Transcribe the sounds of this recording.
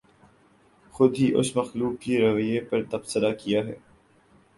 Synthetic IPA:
xʊd̪ʱɦiʔʊsmɐxluːk̚keɾɐʋəjepɐɾt̪ɐbsəɾakijaɦɛ̰ː

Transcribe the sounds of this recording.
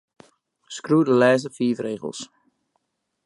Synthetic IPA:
skrudəlɛːs̬əfiːfreːɣə̰lˠs

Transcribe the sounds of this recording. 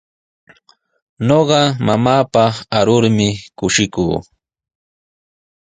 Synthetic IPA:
noɢɑmamaːpaaɾʊɾmɪkʊʃɪkuː

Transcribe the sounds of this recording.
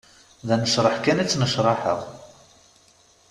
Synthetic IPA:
ðænəʃɾˤəħkænit͡sːnəʃɾˤɑħə̰ʁ

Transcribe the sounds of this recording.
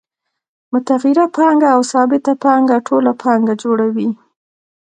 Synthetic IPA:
mʊt̪aɣiɾapɑŋɡaːwsɑbɪt̪apɑŋɡaʈʰolapʰɑŋɡad͡ʒoɽawi

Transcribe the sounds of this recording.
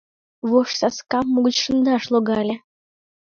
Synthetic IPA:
ʋoʂsɑskɑmːuɡə̆t͡ɕʂɤ̆nd̪ɑʂlˠoɡɑlʲɘ̆

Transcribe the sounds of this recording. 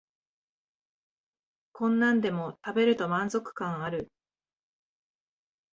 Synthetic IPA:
kõ̞nːãnd̪e̞mo̞t̪abe̞ɾɯ̟t̪o̞mãnzo̞kɯ̟̥kãɰ̃aɾɯ̟

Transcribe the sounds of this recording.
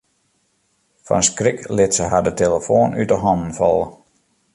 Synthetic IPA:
fɔ̰nskrɪklɪtsəhadəteləfoːnytəɦɔndn̩fɔ̰lˠə

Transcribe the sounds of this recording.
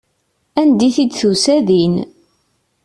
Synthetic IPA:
ænd̪iθid̪θusæðin

